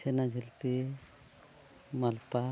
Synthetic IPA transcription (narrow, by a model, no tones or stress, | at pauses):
enad͡ʒʱelpe | malpa